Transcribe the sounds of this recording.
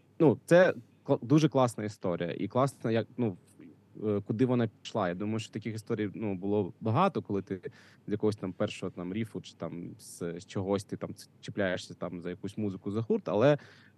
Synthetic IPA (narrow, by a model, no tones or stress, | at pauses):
nut̪sɛ | klˠd̪uʒɛklˠɑsnɐist̪ɔɾʲḭjɐ̰ʔḭklˠɑsnɐjɐknu | kʊd̪ɪʋɔnɑpʲiʃlˠɑjad̪umɐjʊʃt͡ʃɔ̥ɔt̪ɐkʲɪxist̪ɔɾʲijnubʊlˠɔbɐɦɑt̪ɔkɔlˠɪt̪ɪ | zʲjɐkɔɦɔsʲt̪ɑmpɛrʃɔɦɔt̪ɑmɾʲifʊt͡ʃɪ̥t̪ɑmz̥st͡ʃɔɦɔsʲt̪ɪt̪ɑm̥t͡ʃɪplʲajeʂsʲɐt̪ɑmzɐjɐkusʲmuzɪkʊzɐxurt̪ɐ̰lˠɛ